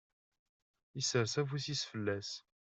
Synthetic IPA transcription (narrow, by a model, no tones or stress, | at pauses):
isəɾsævusisfəlːæs